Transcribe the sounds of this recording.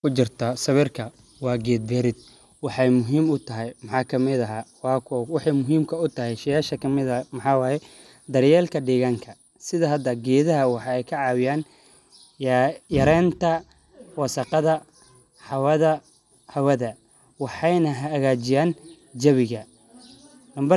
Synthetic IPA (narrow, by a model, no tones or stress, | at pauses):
kʰʊt͡ʃɪrt̪ʰɐsɐβɪrkʰɐ | wɑːɡɛːd̪̚bɛɾɪd̪̚ | wɑħɑjmʊɦiːmʊt̪ʰɐɦɛjmɑħɑːkʰɐmɪðɐɦaːwɑːkʰɔwɑħɑjmʊɦiːmkʰɐʊt̪ʰɐɦɛjʃɐjaːʃɐkʰɐmɪðɐmɑħɑːwɑːjɛ | d̪ɐrjɛːlkʰɐɖɛːɣaːŋkʰɐ | sɪðɐɦɐd̪ɐɡɛːðɐɦɐwɑħɑɛjkʰɐʕɑːwɪjaːn | jjɐɾɛːnt̪ʰɐ | wɑsɐqɑðɐ | ħɑwɐðɐ | hɐwɐðɐ | wɑħɑjnɐɦɐːɣaːt͡ʃɪjaːn | d͡ʒɐβɪɣɐ | nɐmbɐ